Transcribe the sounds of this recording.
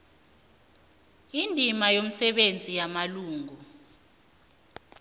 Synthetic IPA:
indʱimajom̩sɛɓend͡zʱijamaluːŋʱu

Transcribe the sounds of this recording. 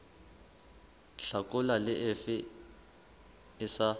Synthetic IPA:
ɬakʼʊlalɪʔɪfɪ | ɪsa

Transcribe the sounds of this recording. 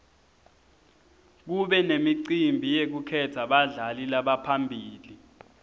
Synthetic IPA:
k̬uɓɛnemiǀimbʱijek̬ukʰɛtʰaɓaɮalilaɓapʰambʱiːli

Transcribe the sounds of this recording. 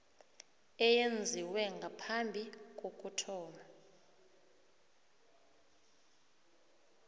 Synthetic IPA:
ɛjend͡zʱiwɛŋɡʱapʰambʱik̬ʼok̬ʼutʰɔːma

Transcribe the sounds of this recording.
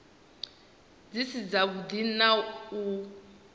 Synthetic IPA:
d͡zisid͡zaɡud̪inau

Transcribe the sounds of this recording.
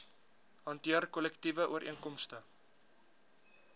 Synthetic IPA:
hɑntiərkɔlɛktivəʔuəɾʔḭəŋkɔmstə

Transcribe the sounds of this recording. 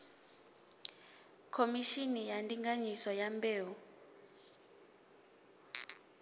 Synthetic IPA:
kʰomiʃinijantʼiŋaɲisɔjambeːwu

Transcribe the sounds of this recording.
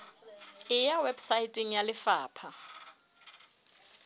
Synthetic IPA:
ɪjawɛbsaitʼɪŋ̩jalɪfaːpʰa

